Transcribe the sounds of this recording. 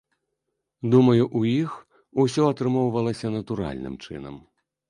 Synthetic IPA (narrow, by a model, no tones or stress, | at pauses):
d̪umɐjuʔujix | usʲɔɐt̪ɾɨmɔwvɐlˠɐsʲɐnɐt̪uɾa̰lʲnɨ̰mt͡ʂɨ̰nɐ̰m